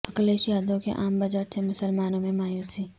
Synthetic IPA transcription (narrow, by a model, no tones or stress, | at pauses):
ɐkəleːʃjaːd̪õkḛʔaːmbɐd͡ʒəʈsʰemʊsəlmaːnõmẽmaːjuːsiː